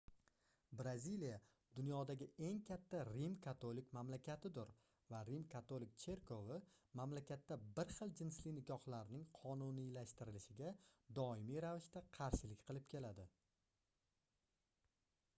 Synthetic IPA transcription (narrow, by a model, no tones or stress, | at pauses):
bɾazilija | d̪̥ʊnjɒd̪aɡʲɪe̞ŋkʲʰat̪ʰːaɾimkʰat̪ʰolɪkʲmamlakʲat̪ʰɪd̪ʊɾ | vaɾimkʰat̪ʰolɪk̚ʲt͡ʃʰe̞ɾkʰo̞vɪmamlakʲat̪ːabɪɾχɨlˠd͡ʒɪnslɪnɪɡɒχlˠaɾɪnɪŋqʰɒnunijlaʃt̪ɪɾɪlɪʃɪɡʲad̪ɒɪmijɾavɪʃt̪aqʰɑɾʃɪlɪkʲqʰɨlˠɪp̚kʲʰe̞lad̪ɪ